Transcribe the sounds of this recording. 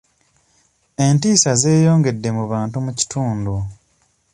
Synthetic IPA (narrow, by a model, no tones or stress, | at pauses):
e̞ntiːsaze̞ːjo̞ːŋɡe̞dːe̞muβaːntumuci̥tʰuːndu